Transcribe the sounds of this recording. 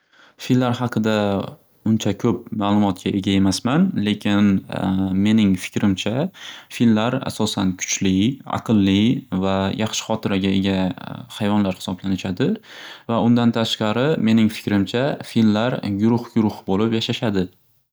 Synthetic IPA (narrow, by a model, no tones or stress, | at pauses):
fillːaɾhɑqʰɨd̪a | ʊnt͡ʃʰakʲʰɵp̚maːlˠʊmɒt̪̚kʲʰaʔeɡʲae̞masmanle̞kʲʰɪn | me̞nɪŋfɪ̥kʲɾɪmt͡ʃʰafilmlaɾa̰sɒsankʰʊ̥t͡ʃlɪɑ̰qʰɨlˠːɪvajʔɑχʃɪ̥χɒt̪ʰɪɾaɡʲae̞ɡʲahajvɒnlaɾhɪ̥sɒblanɪʃad̪ɪvaʊnd̪ant̪ʰaʃqɑɾɪme̞nɪŋfɪ̥kʲɾɪmt͡ʃʰafilmlaɾɡʊɾʊχɡʊɾʊχbolɪpjaʃaʃad̪ɪ